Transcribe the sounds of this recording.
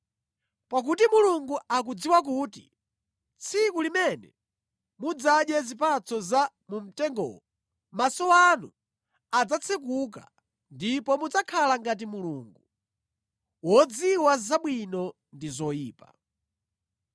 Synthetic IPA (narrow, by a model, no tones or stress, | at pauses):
pak̬utimuluŋɡuak̬ud͡ziwak̬uːti̥̰ | t͡sʰikulimɛnɛ̰ | mud͡zaɗjɛzipat͡sʰɔza | mum̩tɛŋɡɔ̰ɔ | masɔanu | ad͡zat͡sʰɛk̬uk̬a̰ | ndipɔmud͡zakʰalaŋɡat̬imuluːŋɡu | wɔd͡ziwazaɓwinɔ | ndizɔjiːpa̰